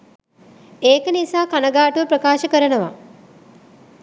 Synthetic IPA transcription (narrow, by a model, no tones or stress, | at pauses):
eːkənisaːkanəɡaːʈuʋəpɾəkaːʃəkəɾənəʋa